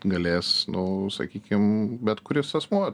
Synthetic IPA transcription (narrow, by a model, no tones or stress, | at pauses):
ɡɐlʲeːsnʊsɐ̰kʲiːkʲɪmbʲɛt̪kʊɾʲɪsɐsmuɔ